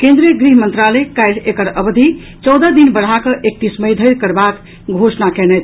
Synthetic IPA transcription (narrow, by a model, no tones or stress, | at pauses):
kẽnd̪ɾiəɡɾiɦmənt̪ɾaləjkajʈekəɽəbd̪ʱi | t͡ʃɔwd̪əd̪inbəɽ̤akəʔek̚t̪isməjd̪ʱəɪɾkəɾbak | ɡʱosnakɛnɛt̪ʰ